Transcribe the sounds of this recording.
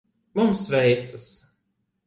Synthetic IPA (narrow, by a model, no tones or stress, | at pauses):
mumsvɛjt̪sɨs